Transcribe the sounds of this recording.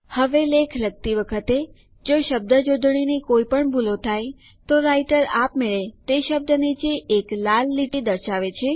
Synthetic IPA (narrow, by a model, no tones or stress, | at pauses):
həʋelekʰləɡ̚t̪iʋəkʰət̪e | d͡ʒoʃəb̚d̪əd͡ʒod̪ʱɳ̃inikoipəɳbʱulot̪ʰaj | t̪oɾaiʈəɾapmeɭet̪eʃəb̚d̪ənit͡ʃeʔeklalːiʈid̪əɾʃaʋet͡ʃʰe